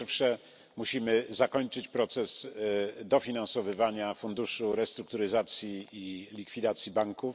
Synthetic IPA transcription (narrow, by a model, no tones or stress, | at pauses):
ɾfʂɛ | muɕimɘzakɔɲt͡ʂɘt͡ɕpɾɔt̪sɛzd̪ɔfʲinansɔvɘvaɲafund̪uʂuɾɛst̪ɾuk̚t̪uɾɘzat̪sʲjiːlʲikfʲid̪at̪sʲjibaŋkuf